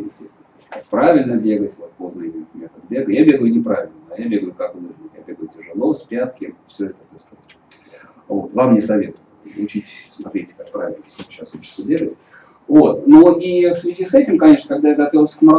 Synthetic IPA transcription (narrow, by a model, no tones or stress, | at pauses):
itʲeɡt̪ʲ | kakpɾavʲɪlʲnəbʲe̞ɡətʲvo̞t̪̚po̞znəɪmʲɪt̪mʲet̪əd̪̚bʲe̞ɡəjabʲe̞ɡʊjʊnʲɪpɾavʲɪlʲnəd̪ajabʲe̞ɡəjʊkakvɨnuʐnɨjabʲe̞ɡʊjʊtʲɪʐɨlˠo̞sʲpʲat̪kʲɪfsʲɵɛt̪əd̪əst̪ɐtʲ | vo̞̰t̪vamnʲɪsɐvʲe̞t̪ʊjʊʊt͡ɕitʲɪssmɐt̪ɾʲetʲkak̚pɾa̰vʲɪlʲnəok̪ɕːasxot͡ɕɪ̥t̪səbʲe̞ɡətʲ | vo̞t̪noʔifsvʲɪzʲisɛtʲɪmkɐnʲe̞ʂnəkaɡ̚d̪ajaɡɐt̪ovʲɪlˠsʲə̥kmɐ